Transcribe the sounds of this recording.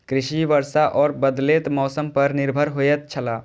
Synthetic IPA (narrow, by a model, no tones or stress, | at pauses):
kɾɪʃiʋəɾsaʔɔːɾbəd̪leːt̪mɔːsəmpɐɾnɪɾbʱəɾɦojət̪̚t͡ʃʰəlaː